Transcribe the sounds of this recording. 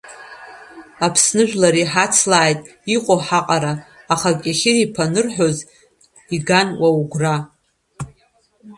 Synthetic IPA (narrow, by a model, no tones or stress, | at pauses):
apʰsnɨʒᶣlaɾiħat͡sʰlaːjtʼ | iqʷʼoħaqʼaɾaː | χakʲʼaχʲɪripʰanɨrħᶣo̞z | iɡanwauɡʷra